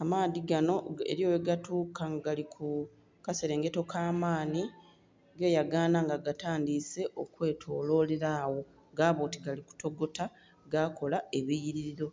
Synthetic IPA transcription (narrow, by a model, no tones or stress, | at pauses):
amaːðiɡano̞e̞̰ɾjo̞ːweɡatuːkaŋɡaɡalikʰu | kaseɾe̞ːŋɡe̞to̞kaːmaːni | ɡe̞ːjaɡaːnaŋɡaɡataːndise̞ʔo̞kwe̞ːtʰo̞ːlo̞leɾaːwo̞ | ɡaːβoːtiɡaliku̥to̞ɡo̞ta | ɡako̞lae̞βijiɾiɾiɾo̞